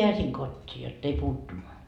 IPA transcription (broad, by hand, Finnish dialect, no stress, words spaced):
piæsiŋ kotʲːiː jotː ei puːtːun